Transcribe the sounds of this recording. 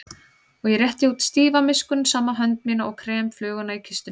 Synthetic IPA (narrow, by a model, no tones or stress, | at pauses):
ɔɣjɛɾrjɛht̪ɪuːt̪st̪iːvamɪskʏnsaːmːaɦœnt̪miːnaɔɣkʰɾɛːmflœːɣʏnaicʰɪst̪ɪ